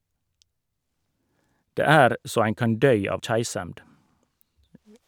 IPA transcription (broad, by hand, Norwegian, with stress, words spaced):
ˈdeː ˈæɾ ˈsoː ˈæɪn ˈkɑn ˈdœʏ ˈɑːʋ ˈçæɪsɛmd